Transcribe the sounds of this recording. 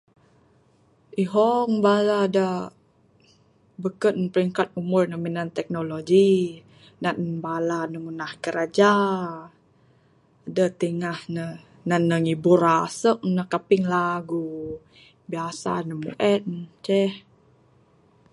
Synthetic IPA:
ʔiɦɔŋbalada | bəkəpəɾiŋkat̪̚umʊrnəminant̪ɛk̚nolod͡ʒi | naʔbalanəŋunahkəɾad͡ʒa | dət̪əŋahnə | nanːəŋibuɾasəʔ̚nəkapɪŋlaɡu | biasa̰nəmṵʔɛt̚nt͡ʃɛh

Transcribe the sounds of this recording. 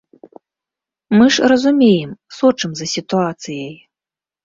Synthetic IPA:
mɨʂrɐzumʲejɛmsɔt͡ʂɨmzɐsʲit̪uat̪sɨjɐj

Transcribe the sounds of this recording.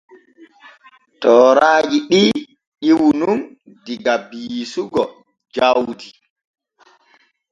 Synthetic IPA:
tɔːɾaːd͡ʒiɗi | ɗiwunum | diɡabisuɡɔ | d͡ʒawdi

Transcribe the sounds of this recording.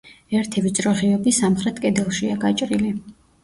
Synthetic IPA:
ɛɾt̪ʰivit̪sʼɾɔχiɔbisamχɾɛt̪ʰkʼɛd̪ɛlˠʃiaɡat͡ʃʼɾili

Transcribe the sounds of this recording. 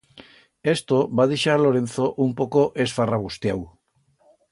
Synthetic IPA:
est̪oβað̞iʃalo̞ɾe̞n̟θoʔumpo̞koʔesfaraβ̞ust̪jaw

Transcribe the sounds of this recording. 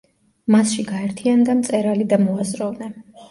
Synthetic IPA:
masʃiɡaɛɾt̪ʰiand̪amt̪sʼɛɾalid̪amɔazɾɔvnɛn

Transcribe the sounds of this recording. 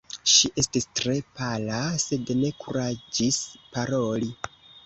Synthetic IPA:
ʃiʔe̞stistɾe̞palase̞dne̞kuɾad͡ʒispaɾo̞li

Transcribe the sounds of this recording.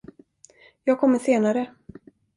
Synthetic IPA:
jɑːɡkʰɔmːəʂseːnaɾə

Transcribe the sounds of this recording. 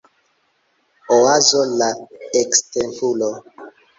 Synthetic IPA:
oazolaekstempulo

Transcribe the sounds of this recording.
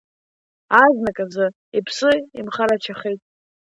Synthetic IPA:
aznakʼazɨ | ipʰsɨimχaɾat͡ʃʰaχejtʼ

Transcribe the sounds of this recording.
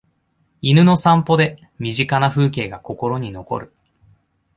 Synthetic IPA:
inɯ̟no̞sãmpo̞d̪e̞ | mʲiʑikanaɸɯ̟ːk̬e̞ːɡako̞ko̞ɾo̞ɲ̟ino̞ko̞̰ɾɯ̟

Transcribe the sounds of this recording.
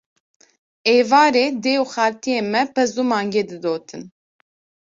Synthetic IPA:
eːvɑːɾeːd̪eːuxaːɾt̪ʰijeːmɛpɛzumɑːŋɡeːd̪ɨd̪oːt̪ʰɨn

